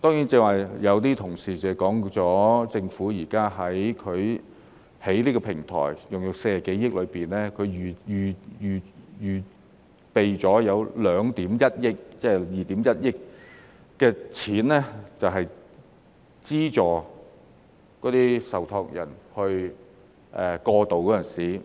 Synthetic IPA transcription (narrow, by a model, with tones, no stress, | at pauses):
t̪ɔː˥ŋji˨˥nt͡sɛː˧˥waː˨˩jjɐ˨˧wt̪iː˥t̪ʰʊ˨˩ŋsiː˨t͡sɛ˨˧kɔː˨˥ŋt͡sɔː˨˥t͡sɪ˧ŋfuː˨˥jiː˨˩kaː˥ɦɐ˨˥jkʰɵ˨˧ɥ | he˨˥jliː˥kɔː˧pʰɪ˨˩ŋt̪ʰɔ̰ː˨˩jjʊ˨ŋjʊ˨kseː˧˨˩ke˨˥jɪ˥k̚lɵ˨˧ɥpiː˨˩nlɛː˥kʰɵ˨˧ɥyː˨˩jyː˨jyː˨˩jyː˨˩ | pe˨jt͡sɔː˨˥jɐ˨˧wlœː˨˧ŋt̪iː˨˥mjɐ˥t̚jɪ˥k̚t͡sɛː˥˩jiː˨t̪iː˨˥mjɐ˥t̚jɪ˥k̚ː | ɛː˧t͡sʰiː˨˥nlɛː˥t͡sɐ˨wɦɐ˨j | t͡siː˥t͡sɔː˨˩ | kɔː˨˥t̪iː˥sɐ˨wt̪ʰɔː˧k̚jɐ̰˨˩nhɵ˧ɥ | ʔɛ˨kɔː˧t̪o˨wkɔː˨˥ɐ˨˩nsiː˨˩